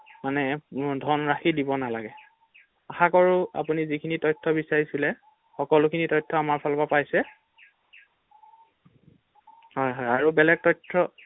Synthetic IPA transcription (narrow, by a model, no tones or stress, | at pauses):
manɛdʱɔnɹaxidibɔnalaɡɛ | axakɔɹʊa̰punizikʰinitɔjtʰːɔbisaɹisulɛ | xɔkɔlʊkʰinitɔjtʰːɔamaɹpʰalbapajsɛ | hɔjɦɔjaɹubɛlɛk̚tɔjtʰːɹɔ